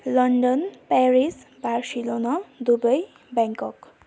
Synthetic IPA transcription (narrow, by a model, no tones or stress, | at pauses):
lʌɳɖʌnpaɾisbarsilonʌd̪ubʌj | baŋkʌk